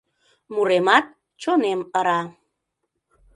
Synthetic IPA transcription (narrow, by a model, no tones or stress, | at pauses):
muɾemɑt̪̚ | t͡ʃoneməɾɑ